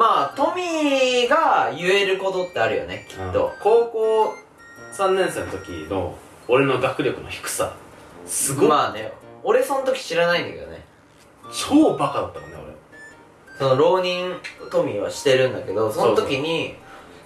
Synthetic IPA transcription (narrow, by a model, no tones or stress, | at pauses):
maːt̪o̞mʲiɡajɯ̟e̞ɾɯ̟ko̞t̪o̞t̪ːe̞aɾɯ̟jo̞̰nekʲi̥t̪ːo̞̰ko̞ːkoː | sãnːẽɰ̃senot̪okʲḭno̰ | oɾe̞no̞ɡakɯ̟ɾʲo̞kɯ̟no̞çi̥kɯ̟̥sa̰sɨɡomaːnḛo̞ɾe̞so̞nt̪o̞kʲi̥ɕiɾanaĩnd̪a̰ked̪o̰ne̞̰ | t͡ɕʰoːbakad̪at̪ːamonːeo̰ɾḛ | so̞noɾo̞ːɲ̟ĩnt̪o̞mʲiβa̰ɕi̥t̪e̞ɾɯ̟̃nd̪ake̞d̪o̞so̞not̪okʲiɲ̟i